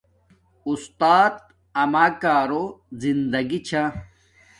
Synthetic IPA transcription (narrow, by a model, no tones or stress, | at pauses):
ust̪aːt̪ | ɐmaːkaːɾozind̪ɐɡit͡ɕʰa